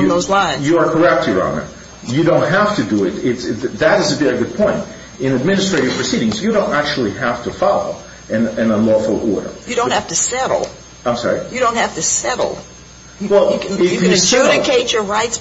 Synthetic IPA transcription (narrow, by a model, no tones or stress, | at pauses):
jɨðoʊzlãɪ̃njɨə˞kʰə˞ɛp̚tʰɨɹɑ̰̃ʊ̃nə̰ | jɨdõʊ̃nt̚ɦæftɨdɨɪtɪtðɨɾɨzɨvɛɹiɡʊd̚pʰɔ̃ɪ̃nt | ɨ̃nɨd̚mɪ̃nɨstɹ̥eɪɾɨv̥pʰɹ̥ɨsiɾɪ̃ŋzjɨɾõʊ̃ntæk̚t͡ʃul̩ˠiɦæftʰəfɑlˠo̰ʊ | ɨ̃nɨ̃nə̃nlɔfl̩ˠʔɔ̰ɹɾə̰˞jɨdõʊnthæftɨsɛɾl̩ˠ | ãɪ̃msɑ̰ɹijɨɾõʊ̃nt̚hæftɨsɛɾl̩ˠ | wɛlˠɪfsɛɾɨkʰeɪt͡ʃə˞ɹaɪts